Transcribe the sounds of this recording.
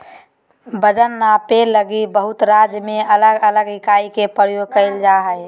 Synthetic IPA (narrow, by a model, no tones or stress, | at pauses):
bəd͡ʒənːapeləɡibəɦʊt̪ɾad͡ʒjmeələɡələɡnɪkaikepəɾjoɡ̚kəɪld͡ʒaɦəj